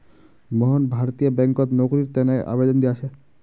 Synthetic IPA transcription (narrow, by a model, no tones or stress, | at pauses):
mɔɦonbʱaɾot̪ijobɛŋkot̪nokoɾiɾt̪ɛnejʔa̰bed̪ɔnd̪iat͡ɕʰe